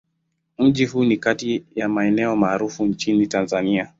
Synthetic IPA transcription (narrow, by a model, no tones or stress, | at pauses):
m̩ʄiɦuːnikatijamaɛnɛɔmaːɾufuɲt͡ʃinitanzania